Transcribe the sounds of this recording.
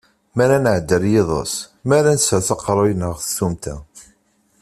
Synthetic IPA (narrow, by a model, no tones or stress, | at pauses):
mæɾænəʕd̪ːəɾjeðˤɑ̰s | mæɾænsəθɑqɾˤojnəʁθθumt̪æ̰